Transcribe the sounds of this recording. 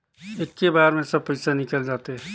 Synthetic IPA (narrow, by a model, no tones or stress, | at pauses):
ekːebaɾmẽsəb̚pəɪsanikəld͡ʒat̪eɦ